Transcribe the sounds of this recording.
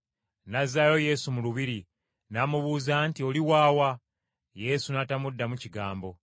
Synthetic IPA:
nazːajo̞je̞sumuluβiɾi | namuβuːzantio̞liwaːwa | je̞sunatamudːamuciɡaːmbo̞

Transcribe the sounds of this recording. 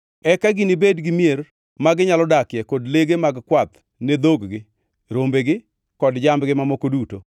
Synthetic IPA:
ɛkaɡinibedɡɪmjer | maɡɪɲalɔdakjɛkodleɡemaɡkwat̪ | ned̪oɡɡɪ | ɾombeɡɪ | kɔdd͡ʒambɡɪmamokoduto

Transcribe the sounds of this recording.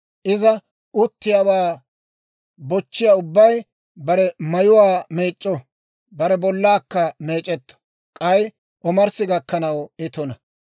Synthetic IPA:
ʔɪzɐ | ʔʊt̪ːɪjaːwaː | bɔt͡ʃːɪjaːʊbːɐj | bɐɾɛmɐjʊwaːme̞ːt͡ʃʼːɔ | bɐɾɛbɔlːaːkːɐme̞ːt͡ʃʼːɛt̪ːɔ̥ | kʼɐj | ʔɔmɐɾsɪɡɐkːɐnɐwɪt̪ɔnɐ

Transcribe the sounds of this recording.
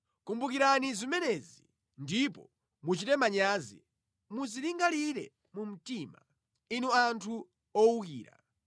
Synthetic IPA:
kumbukiɾanizimɛnɛzi | ndipɔ | mut͡ʃitɛmaɲaːzḭ | muziliŋɡaliɾɛ̰ | mum̩tima̰ | inuantʰu | ɔuk̬iːɾa̰

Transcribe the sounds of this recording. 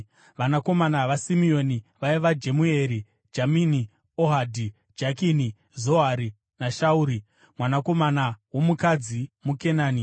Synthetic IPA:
ʋanako̞manaʋasimio̞niʋaiʋad͡ʒe̞mueɾi | d͡ʒamini | oɦadʱi | d͡ʒakini | zo̞ɦaɾi | naʃauɾi | mwanako̞manawo̞mukad͡zimuke̞naːni

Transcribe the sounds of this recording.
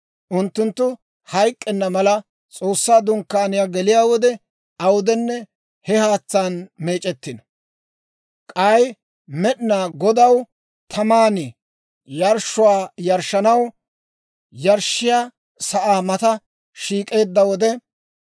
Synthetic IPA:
ʔʊnt̪ːʊnt̪ːʊ | hɐjkʼːɛnːɐmɐlɐ | t͡sʼo̞ːsːaːd̪ʊŋkːaːnɪjaːɡɛlɪjaːwɔd̪ɛ | ɐwʊd̪ɛnːɛ | hɛhaːt͡sːaːnme̞ːt͡ʃʼɛt̪ːɪnɐ | kʼɐj | mɛɗɪnaːɡɔd̪ɐw | t̪ʰɐmaːnɪ | jɐɾʃʊwaːjɐɾʃːɐnɐw | jɐɾʃɪjaː | sɐʔaːmɐt̪ɐ | ʃiːkʼe̞ːd̪ːɐwɔd̪ɛ

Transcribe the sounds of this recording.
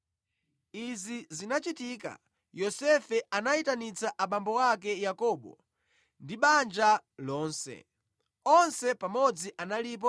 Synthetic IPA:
izizinat͡ʃitiːka̰ | jɔsɛfɛʔanaitanit͡saʔaɓambɔwakɛjakɔːɓɔ̰ | ndiɓand͡ʒalɔːnsɛ̰ | ɔnsɛpamɔd͡ziʔanalip̬ɔ

